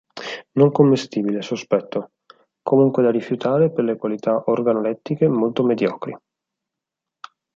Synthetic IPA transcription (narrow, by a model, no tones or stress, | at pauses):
noŋkomːest̪iːbilesospɛt̪ʰːo | kʰomuŋkwed̪arifjut̪ʰaːɾeperlekwalit̪aʔorɡanolɛt̪ːikemolt̪omed̪jɔːkɾḭ